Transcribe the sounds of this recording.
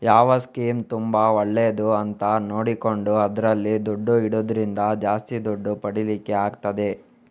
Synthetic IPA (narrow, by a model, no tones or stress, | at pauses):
jaːʋɐskiːmt̪umbɐoɭːeːd̪uɐnt̪ɐno̞ːɽiko̞ɳɖuɐd̪ɐɾɐlːid̪oɖːuiɽoːd̪ɾind̪ɐd͡ʒaːst̪id̪oɖːupɐɽilikːeaːɡt̪ɐd̪e̞